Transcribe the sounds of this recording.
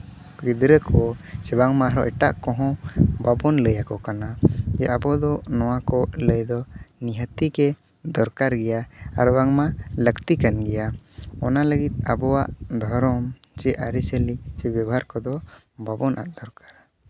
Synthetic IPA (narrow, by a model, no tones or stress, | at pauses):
ɡid̪ɾəkʰɔsɛbaŋmaɦɾɔʔɛʈa̰ʔkɔ̃ɦɔ̃babɔnləjakɔkanad͡ʒɛʔabɔd̪ɔnɔwakɔləjd̪ɔniɦət̪ikɛ | d̪ɔɾkaɾɡɛjaa̰ɾbaŋmaləkt̪ikanɡɛjaɔnaləɡit̪̚abɔwaʔd̪ʱɔɾɔmt͡ʃɛʔaɾisəlit͡ʃɛbjabɔɦaɾkɔd̪ɔ | babɔnʔa̰ʔd̪ɔɾkḁɾ